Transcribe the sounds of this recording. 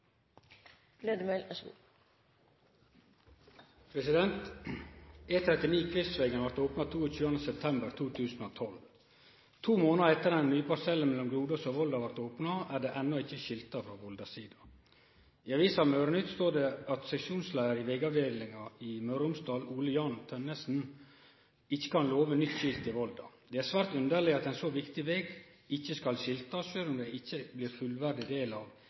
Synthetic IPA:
leːd̪əmɛlɛsɡṵ | pʰɾɛsɪd̪ɛnt̪ | eːt̪ʰɾɛt̪ɪniːkʰʋɪst̪ʋeːɡənʋɑɾt̪oːpnɑt̪ʰuːɔc͡çʉːɑnd̪əsɛp̚t̪ʰɛmbəɾt̪ʰuːt̪ʰʉːsn̩oːt̪ʰɔl | t̪ʰuːmoːnəɛt̪ːəɾd̪ɛnnyːpɑɾsɛlːənmɛlɔmɡɾuːd̪ɑsoʋɔld̪ɑʋɑɾt̪oːpnɑæɖeːʔɛnːɔɪçːəʃɪlt̪ɑfɾoːʋɔld̪ɑsiːd̪ɑ | ɪɑɾʋiːsɑʋmøːɾənʉt̪st̪oːɖɛɑt̪sɛʃuːnslæɪəɾɪʋɛɡɑʋd̪eːd̪lɪŋɑɪmœɾʊmsd̪ɑːluːləjɑnt̪ʰœnːəsn̩ | ɪçːə̥kɑnloːʋənʏt̪ːɕɪlt̪ɪʋɔld̪ɑ̰d̪̥ɛæɾsʋæːɾt̪ʉnd̪əɭɪɑt̪ɛnsɔʋɪkt̪ɪʋeːɡ | ɪçːəskɑlɕɪlt̪ɑʃøːlʊmd̪ɛɪçːəblɪːɾfʉlʋæɾɖ̪ɪd̪eːlɑʋ

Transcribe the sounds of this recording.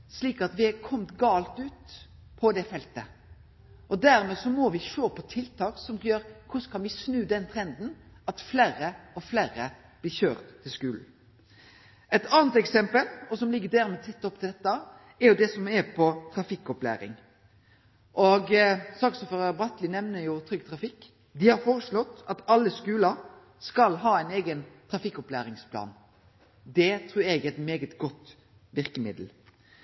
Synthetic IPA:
sliːkɑt̪ʋɪækʰɔmt̪ɡɑːlt̪ʉːt̪ | pʰɔd̪ɛfɛlt̪ə | ʔɔd̪æɾmɛsɔmɔʋɪʃoːpʰɔt̪ʰɪlt̪ʰɑːksɔmɡjøːɾkʰʊskʰɑnʋɪsnʉːd̪ɛnt̪ʰɾɛnd̪n̩ɑt̪fleːɾəɔfleːɾə | b̥lɪɾçøːʁt̪ʰːɪlskʉːln̩ | ɛt̪ɑːnət̪ɛksɛmpəlɔsɔmlɪɡːəd̪æɾmɛt̪ʰɪt̪ːɔp̚t̪ɪld̪ɛt̪ːə | ɛɾjʊd̪ɛsɔmɛpʰɔt̪ʰɾɑfɪkːɔplæ̰ːɾɪ̰ŋ | ʔɔɡsɑksɔføʁɑbʁɑt̪lɪnɛʋnəjʊt̪ʰɾʏɡt̪ʰɾɑfɪkː | d̪ɪhɑɾfoːɾəslɔt̪ːɑt̪ɑlːəskʉːlɑ | skɑlɦɑːæɪneːɡənt̪ʰɾɑfɪkːɔplæːɾɪŋspʰlɑ̰ːn | d̪ɛt̪ʰɾʉːɾɛɡɛt̪meːɡət̪ɡɔt̪ː | ʋɪɾkəmɪd̪l̩

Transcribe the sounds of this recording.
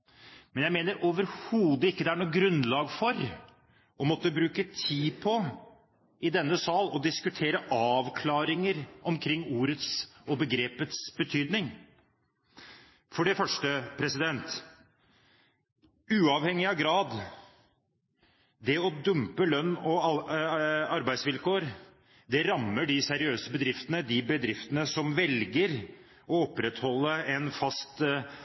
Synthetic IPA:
mɛnjæɪmeːnəɾʔoːʋəɾhuːd̪əɪkːəd̪ɛæɳuːɡɾʉnːlɑːɡfɔɾ | ʔɔmɔt̪ːəbɾʉːkət̪ʰiːpʰɔ | ɪd̪ɛnːəsɑːlɔd̪ɪskʉt̪ʰeːɾəʔɑːʋkʰlɑːɾɪŋəɾʔɔmkʰɾɪŋːuːɾət̪sɔbəɡɾeːpət̪sbət̪ʰyːd̪nɪŋ | fɔɖɛfœʂʈəpʰɾɛsɪd̪ɛnt̪ | ʉːɑʋhɛŋːɪɑɡɾɑːd̪ | d̪ɛɔd̪ʉmpəlœnːɔ | ɑɾbæɪsʋɪlkʰoːəɾ | d̪ɛɾɑmːəɖɪsɛɾɪøːsəbəd̪ɾɪft̪ənəd̪ɪbəd̪ɾɪft̪ənəsɔmʋɛlɡəɾ | ɔɔpɾɛt̪hɔlːəɛnfɑst̪

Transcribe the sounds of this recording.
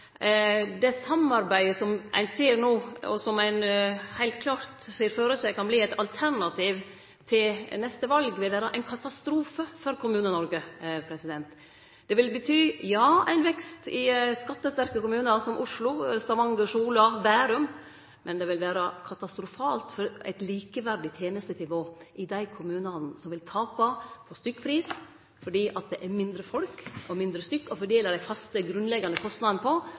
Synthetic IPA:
d̪ɛsɑmːɑɾbæɪəsɔmʔæ̰ɪnseːɾnoːɔ̰sɔmæɪnhæɪlt̪kʰlɑːɾt̪seːɾføːɾəsæɪkʰɑnbliːæɪt̪ʰɑlt̪ʰæɾɳɑt̪ʰiːʋ | t̪ʰɪlnɛst̪əʋɑlɡʋɪlʋæːɾəʔæɪnkʰɑt̪ɑst̪ɾuːfəfɔɾkʰʊmʉːnənɔɾɡəpʰɾɛsɪd̪ɛnt̪ | d̪ɛʋɪlbət̪ʰyːjɑːæ̰ɪnʋɛkst̪ɪskɑt̪ːəst̪æɾkəkʊmʉːnɑsɔmʔʊʂlʊst̪ɑʋɑŋɡəʂuːlɑbæːɾʉm | mɛnd̪ɛʋɪlʋæːɾɑkʰɑt̪ɑst̪ɾʊfɑːlt̪fɔɾæ̰ɪt̪liːkəʋæɾɖɪt̪ʰjeːnəst̪ənɪʋoːʔɪd̪æɪkʰʊmʉːnɑnn̩sɔmʋɪlt̪ʰɑːpɑpʰɔst̪ʏkːpʰɾiːs | fɔɖiːʔɑt̪̚d̪ɛʔæɾmɪnd̪ɾəfɔlkɔmɪnd̪ɾəst̪ʏkːɔfɔɖeːləɖæɪfɑst̪əɡɾʉnlɛɡːɑnd̪əkʰɔst̪nɑd̪nəpʰɔ

